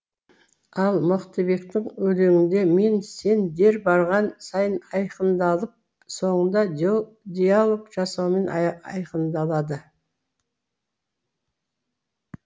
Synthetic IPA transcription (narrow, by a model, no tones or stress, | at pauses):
ɑlˠmʊqt̪əbe̞kt̪ɪɴwɵleŋɪnd̪e̞me̞nse̞nd̪e̞ɾbɑɾʁɑnsɑjənɑjqənd̪ɑlˠəp̚ | so̞ɴənd̪ɑ | d̪ʲijalˠo̞kʒ̥ɑsɑwme̞nɑ̰jqənd̪ɑlˠɑd̪ə